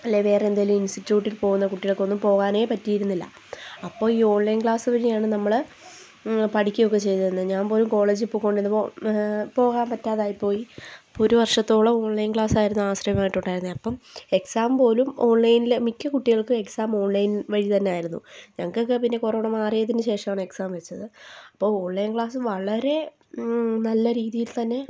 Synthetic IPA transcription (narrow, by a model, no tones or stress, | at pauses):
ɐlːeʋe̞ːreend̪aːjiluminsʈitːjuːʈːilpo̞ːɣunːɐkuʈːiɣɐɭko̞nːumpo̞ːɣaːne̞ːpɐtːijiɾunːilːɐ̰ | ɐpːo̞ːɭiːo̞ːɳlɐjnkɭaːsɨʋɐɻijaːɳɨnɐmːɐɭ | pɐʈikʲːɐjo̞kːe̞t͡ɕe̞jt̪ɐðenːɐðɲaːnpo̞ːlumko̞ːɭe̞ːd͡ʑɨpːukːo̞ːɳɖenːɨopo̞ːɣaːnpɐtːaːðaːjipːo̞ːjiɐpːoooɾuʋɐrʂɐt̪ːo̞ːɭɐo̞ːɳlɐjnkɭaːsaːjiɾunːuaːɕrɐjɐmaːjiʈːuɳɖaːjiɾunːɨɐpːɐme̞ksaːmpo̞ːlumo̞ːɳlɐjnilemikʲːɨkuʈːiɣɐɭkɨe̞ksaːmo̞ːnlɐjnʋɐɻit̪ɐnːe̞aːjiɾunːṵɲɐŋːɐkokːepinːe̞koro̞ːɳɐmaːrijɐðinɨɕe̞ːʂɐmaːɳɨeksaːmʋet͡ɕːɐðɨɐpːo̞ːo̞ːɳlɐjnkɭaːsɨʋɐɭɐɾe̞ | nɐlːɐɾiːðijilt̪ɐnːe̞